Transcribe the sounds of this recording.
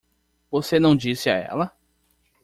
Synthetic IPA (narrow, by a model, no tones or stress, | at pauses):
vosenɐ̃w̃d͡ʒisɪa̰ɛ̰lɐ